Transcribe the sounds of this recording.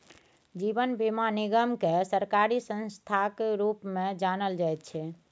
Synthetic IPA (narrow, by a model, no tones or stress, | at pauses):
d͡ʒibənbimaniɡəmkesəɾkaɾisə̃nst̪ʰakeɾupmẽd͡ʒanəld͡ʒajt̪̚t͡ʃʰɛ